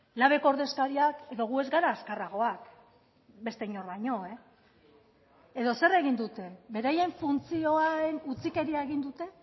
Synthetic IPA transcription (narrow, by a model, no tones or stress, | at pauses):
laβ̞e̞koɾðe̞skaɾiake̞ðo̞ɣ̞ue̞zɡaɾaːskaraɣ̞o̞ak | be̞st̪e̞iɲo̞rβaɲo̞e̞ | eðo̞se̞re̞ɣ̞ind̪ut̪e̞be̞ɾaje̞ɱfunt͡sio̞aenut͡sike̞ɾiaeɣind̪ut̪e̞